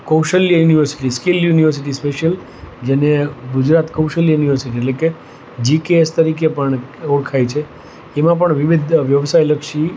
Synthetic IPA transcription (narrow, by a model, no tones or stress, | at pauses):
kəwʃəljjuniʋəɾsi̥ʈiskiljuniʋəɾs̬iʈ̬ispeʃəl | d͡ʒeneɡʊd͡ʒɾat̪kəwʃəljuniʋəɾsiʈ̬ieʈleke | d͡ʒikeest̪əɾik̬epəɳoɽkʰajt͡ʃʰe | emãp̬əɳʋiʋid̪ʱʋjəʋsajləkʃi